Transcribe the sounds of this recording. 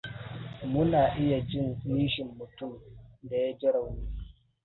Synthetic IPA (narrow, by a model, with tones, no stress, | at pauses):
mʊ˦naː˨ʔɪ˦ja˨d͡ʒɪ˦niː˦ʃɪ˨mːʊ˨tu˦˨da˨ja˦d͡ʒɪ˦ɽa˨wniː˦